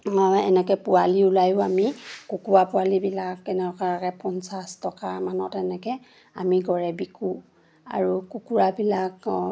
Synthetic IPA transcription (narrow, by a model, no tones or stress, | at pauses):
ɛ̰nɛkɛpualiulajʊamikukuwapʊwalibilakɛnɛɔkaakɛpɔnsastɔkamanɔtɛnɛkɛ | a̰miɡɔɹɛbikʰu | a̰ɹukukuɹabilak